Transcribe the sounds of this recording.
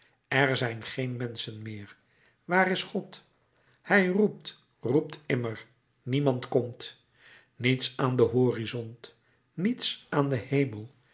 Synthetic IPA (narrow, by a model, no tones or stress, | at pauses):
ɛɹzɛjnχejnmɛnsənmɪːɹ | ʋaːrɪsχɔt | hɛjrup̚t | rup̚tɪməɹ | nimɑntkɔmt | nitsaːndəɦoːrizɔnt | nitsʔaːndəhejməlˠ